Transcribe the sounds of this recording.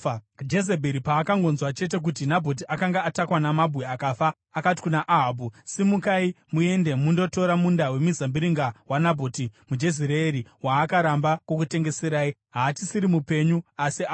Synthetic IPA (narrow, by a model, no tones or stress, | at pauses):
d͡ʒe̞zebʱeɾipaːkaŋɡo̞nzwat͡ʃe̞t̬e̞k̬ut̬inabʱo̞t̬iʔakaŋɡaatakwanamabʱɣeakafaː | kati̥kunaʔaɦab̬usimukai | mue̞nde̞mundo̞to̞ɾamundawe̞mizambiɾiŋɡawanabʱo̞timud͡ʒe̞ziɾeːɾiwaːkaɾambako̞k̬ute̞ŋɡe̞seɾaːiɦaːtisiɾimupe̞ɲuasia